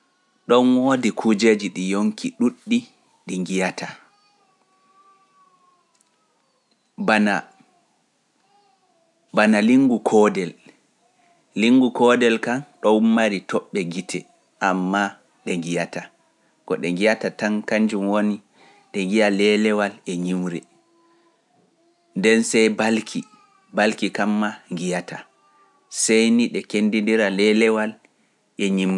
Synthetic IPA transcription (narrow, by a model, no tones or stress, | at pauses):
ɗɔnwodikʰud͡ʒed͡ʒiɗijoŋkʰiɗuɗːi | ɗiŋɡijata | bana | banaliŋɡukʰɔdɛl | iŋɡukɔdɛlkanɗɔwumːaɾitʰɔɓːɛɡitʰɛ | ʔamːa | ɗɛŋɡijata | kɔ̰ɗɛŋɡijatatankaɲd͡ʒumwoni | ɗɛŋɡijalɛlɛwalɛɲimɾɛ | ndɛnsɛjbalkʰi | balkikamːaŋɡijata | sɛjniɗɛkendindiɾalɛlɛwal | ʔɛɲimɾɛ